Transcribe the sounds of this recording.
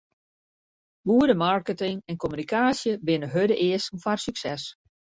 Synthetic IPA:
buədəmarkətɪŋɛnkʰomynikʰaːsjəbɪnəɦødəʔɪəsn̩farsyksɛs

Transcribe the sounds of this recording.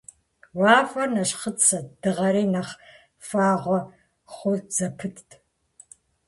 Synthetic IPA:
waːfɐnɐɕχət͡sʰɐd̥ɨʁɐɾiːnɐχ | faːʁʷɔ | χʷʊɮz̥ɐpʰɨtʰtʰʼ

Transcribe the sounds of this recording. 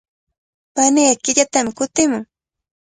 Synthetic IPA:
panɪjakɪʎat̪amɪkʊt̪ɪmʊŋ

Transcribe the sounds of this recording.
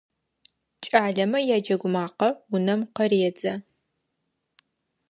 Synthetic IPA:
t͡ʃʼaːɮɐmɐjaːd͡ʒɐɡʷʊmaːqɐwʊnɐmqɐreːd͡zɐ

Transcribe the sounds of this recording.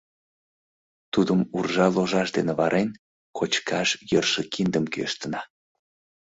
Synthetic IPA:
t̪ud̪əmurʒɑloʒɑʃd̪eneβɑɾʔen | kʰot͡ɕkʰɑʃjərʃekind̪əmkø̰əʃt̪ənɑ

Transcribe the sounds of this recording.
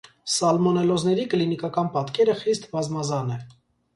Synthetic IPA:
sɑlmɔnɛlɔznɛɾiklinikɑkɑnpɑt̪kɛɾəχist̪bɑzmɑzɑnɛ

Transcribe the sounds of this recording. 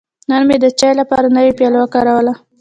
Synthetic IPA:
nənmed̪ət͡ʃɑjlapɑɾanəwepjɑlawakɑɾawəla

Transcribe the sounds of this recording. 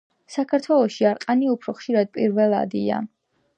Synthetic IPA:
sakʰaɾt̪ʰwɛlˠɔʃiaɾqʼaniupʰɾɔχʃiɾad̪̚pʼiɾvɛlˠa̰d̪ḭa̰

